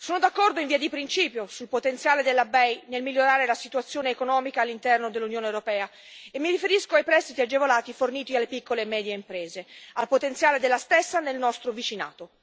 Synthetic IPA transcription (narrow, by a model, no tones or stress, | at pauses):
soːnod̪akːɔrd̪oiɱviːad̪ipɾint͡ʃiːpjosulpot̪ent̪sjaːled̪elːabɛjnelmilːjːoɾaːɾelasit̪uat̪sːjoːneːkonɔːmikaːlːint̪ɛrnod̪elːunjoːnewɾopɛːa | emːiɾifeɾiskoajpɾɛst̪it̪iad͡ʒevolaːt̪iforniːt̪ialːepikːolemɛːd̪jeimpɾeːzealpot̪ent̪sjaːled̪elːast̪esːanelnɔst̪ɾovit͡ʃina̰ːt̪o